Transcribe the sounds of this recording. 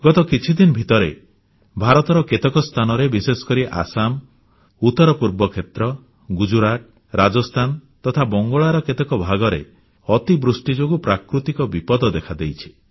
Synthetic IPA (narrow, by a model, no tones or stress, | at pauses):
ɡɔt̪ɔkit͡ʃʰid̪inɔbʱit̪ɔɾe | bʱaɾɔt̪ɔɾɔket̪ɔkɔst̪ʰanɔɾebisesɔ̥kɔɾiʔa̰sam | ut̪ɔɾɔpuɾbɔkʰet̪ɾɔ | ɡud͡ʒuɾaʈ̚ | ɾad͡ʒɔst̪ʰant̪ɔt̪ʰabɔŋɡɔɭaɾɔket̪ɔkɔbʱaɡɔɾḛ | ɔt̪ibɾusʈid͡ʒoɡupɾakɾut̪ikɔbipɔd̪ɔd̪ekʰad̪ejt͡ʃʰi̥